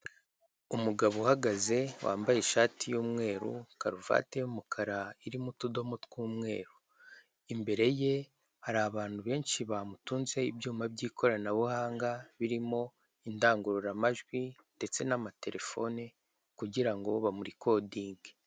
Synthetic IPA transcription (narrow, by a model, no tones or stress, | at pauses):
umuɡaβuhaɡaze̞wʔa̰ːmbajeʃaːtijuːmŋe̞ːɾṵkaɾuva̰tejumukʰaɾaiɾimutudo̞motkuːmŋe̞̰ːɾu | imbe̞ɾe̞je̞ | haɾaaβaːn̥huβe̞ːnʃiβamutuːnze̞ibjuːmabɟiːkʰo̞ɾanaβuhaːŋɡaβiɾimo̞ | indaːŋɡuɾuɾamaʒɡwinde̞t͡se̞namate̞ɾe̞fo̞ne | kuɟiɾaŋɡo̞βamuɾiko̞diːŋɡe